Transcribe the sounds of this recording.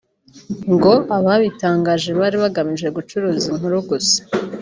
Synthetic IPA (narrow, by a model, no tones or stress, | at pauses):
ŋɡo̞ʔaβaβitaːŋɡaːʒe̞βaɾiβaɡamiʒe̞ɡut͡ʃuɾuːziŋɦuɾuɡuse̥